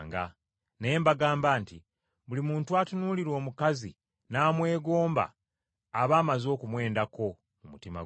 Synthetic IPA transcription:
ŋɡa̰ | nejembaɡaːmbaːnti | βulimuːntuaːtunuːliɾwo̞ːmukazi | naːmwe̞ːɡo̞ːmba̰ː | βaːmazo̞ːkumwe̞ːndako̞ | mumutima̰

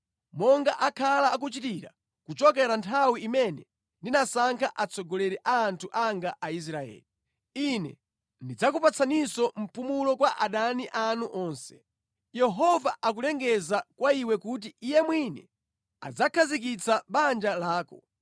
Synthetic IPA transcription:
mɔŋɡaʔakʰalaːk̬ut͡ʃitiɾa̰ | kut͡ʃɔkɛɾantʰawiimɛnɛ | ndinasaŋkʰaʔat͡sʰɔɡɔlɛɾɛʔaːntʰuʔaŋɡaʔais̬ɾaɛ̰ːli | inɛ̰ | ndid͡zakupat͡sʰanisɔm̩pumulɔkwaʔaɗaniʔanuʔɔːnsɛ̥ | jɛɦɔvaʔak̬ulɛŋɡɛzakwaiwɛkut̬iːjɛmwinɛ | a̰d͡zakʰazik̬it͡saɓand͡ʒalaːkɔ

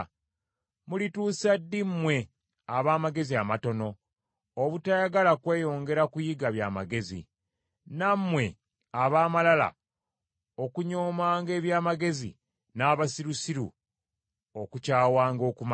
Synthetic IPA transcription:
mulituːsadːimːwe̞ | aβaːmaɡe̞ziamato̞no̞ː | βutajaɡalakwe̞ːjo̞ːŋɡe̞ɾakujiɡaβja̰ːmaɡe̞zḭ | namːwe̞ | aβaːmalala̰ | okuɲo̞ːmaːŋɡe̞ːβjaːmaɡe̞zḭ | naːβasiɾusiɾṵ | okucaːwaːŋɡo̞ːkuma

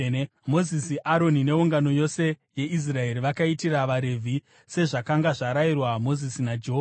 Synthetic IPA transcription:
mo̞zisiʔaɾo̞nine̞uŋɡano̞jo̞se̞je̞ʔis̬rae̞ɾiʋakaitiraʋaɾe̞vʱi | se̞ʐakaŋɡaʐaɾairwamo̞zisinad͡ʒeɦo

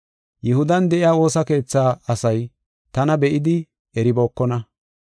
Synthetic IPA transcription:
jɛhʊd̪ɐnd̪ɛʔɪjaːwo̞ːsɐke̞ːt͡sːaːɐsɐj | t̪ɐnɐbɛʔɪd̪ɪ | ɛɾɪboːkːɔnɐ

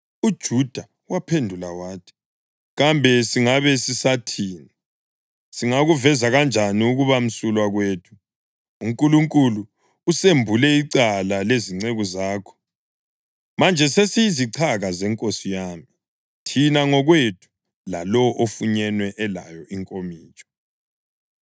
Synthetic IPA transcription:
ud̥ʒ̥ʱud̥ʱa | wapʰendʱulawaːtʰi̥ | ɣambʱɛsiŋaβɛsisatʰiːni | siŋaɣuvɛzaɣand͡ʒʱaniuɣuβam̩sulwaɣweːtʰu̥ | uŋkʼuluŋkʼuluː | sembʱulɛiǀalaleziŋ͡ǀeɣuzaːkʰɔ̥ | mand͡ʒʱɛsesijiziǀʰaɣazɛŋkʼosijaːmi | tʰinaŋɔɣwetʼʰu̥ | la̰lɔʔofuɲɛnwɛʔɛla̰jɔʔiŋkʼomiːt͡ʃʼɔ̥

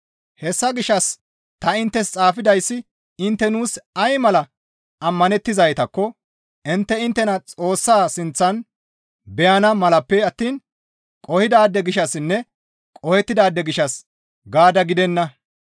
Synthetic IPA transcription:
hɛsːɐɡɪʃɐs | t̪ɐɪnt̪ːɛst͡sʼaːfɪd̪ɐjsːɪ | ɪnt̪ːɛnuːsɐjmɐlɐ | ʔɐmːɐnɛt̪ːɪzɐjt̪ɐkːɔ | ɪnt̪ːɛɪnt̪ːɛnɐt͡sʼo̞ːsːaːsɪnt͡sːɐn | bɛjɐnɐmɐlɐpːɛɐt̪ːiːn | kʼɔhɪd̪aːd̪ːɛɡɪʃɐsɪnːɛ | kʼɔhɛt̪ːɪd̪aːd̪ːɛɡɪʃɐs | ɡaːd̪ɐɡɪd̪ɛnːɐ

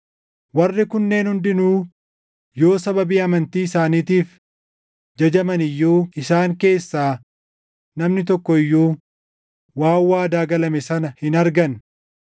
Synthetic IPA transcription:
wɐrːɪkʊnːe̞ːnhʊnd̪ɪnuː | jo̞ːsɐbɐbiːɐmɐnt̪iːɪsaːniːt̪iːf | d͡ʒɐd͡ʒɐmɐnɪjːuːɪsaːŋke̞ːsːaː | nɐmnɪt̪ɔkːɔɪjːuː | waːwːaːd̪aːɡɐlɐmɛsɐnɐhɪnɐɾɡɐn

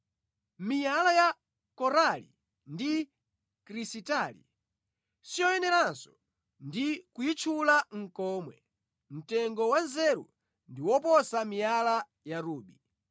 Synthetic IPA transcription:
mijalaja | kɔɾalḭ | ndi | kɾisitalḭ | sijɔjɛnɛɾansɔ̥ | ndikujit͡ʃʰulaŋ̩kɔːmwɛ̰ | m̩tɛŋɡɔwanzɛɾṵ | ndiwɔpɔsamijala | jaɾuːɓi

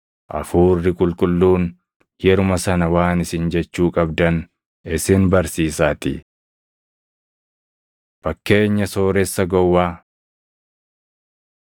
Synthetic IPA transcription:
ʔɐ̰fuːrːɪkʼʊlkʼʊlːuːn | jɛɾʊmɐsɐnɐwaːnɪsɪnd͡ʒɛt͡ʃːuːkʼɐbd̪ɐn | ɪsɪnbɐɾsiːsaːt̪ɪ̰ | fɐkːe̞ːɲːɐsoːɾɛsːɐɡɔwːaː

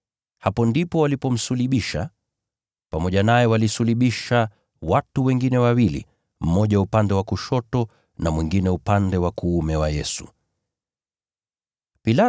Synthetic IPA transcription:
hapɔndipɔwalipɔm̩suliɓiʃa̰ | pamɔʄanajɛwalisuliɓiʃa | watuwɛŋɡinɛwawilḭ | m̩mɔʄaupandɛwakuʃɔtɔ | namwiŋɡinɛupandɛwakuumɛwajɛsu̥̰ | pila

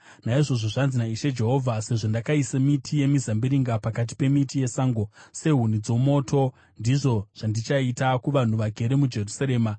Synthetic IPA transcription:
naiʐo̞ʐoʐanzinaiʃed͡ʒe̞ɦo̞vʱase̞ʐo̞ndakaisamitʰije̞mizambiɾiŋɡapakat̬i̥pe̞mitije̞saːŋɡo̞se̞ɦun̤id͡zomo̞ːtʰo̞ | ndiʐo̞ʐ̥andit͡ʃaitakuʋan̤uʋaɡʱe̞ɾe̞mud͡ʒe̞rusaɾe̞ːma

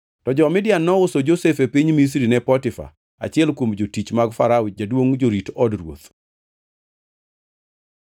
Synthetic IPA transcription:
tɔd͡ʒɔmɪdɪjanːɔʊsod͡ʒosefepiɲmis̬ɾinɛpɔtɪfa̰ | a̰t͡ʃɪɛlkwomd͡ʒotit͡ʃmaɡfaɾaʊd͡ʒadwoŋd͡ʒoɾitɔdɾwo̰t̪

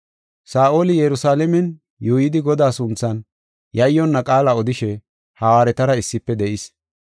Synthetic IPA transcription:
saːʔoːlɪjɛɾʊsaːlɛmɛn | juːjɪd̪ɪɡɔd̪aːsʊnt͡sːɐn | jɐjːɔnːɐkʼaːlɐɔd̪ɪʃɛ | haːwaːɾɛt̪ɐɾɐɪsːɪpːɛd̪ɛʔɪs

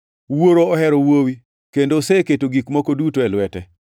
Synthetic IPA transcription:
woɾoːɦɛɾowowi | kendoseketoɡikmokodutoɛlʊwɛtɛ

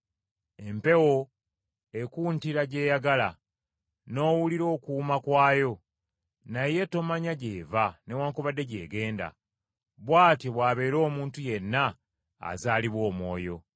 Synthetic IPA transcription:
e̞mpe̞wo̞ | e̞kuːntiɾaɟe̞ːjaɡala | no̞ːwuliɾo̞ːkuːmakwaːjo̞ | naje̞to̞maɲaɟe̞ːvane̞waːŋkoβadːe̞ɟe̞̰ːɡe̞ːnda̰ | βwaːteβwaːβe̞ːɾo̞ːmuːntuje̞nːa̰ː | zaːliβwo̞ːmwo̞ːjo̞

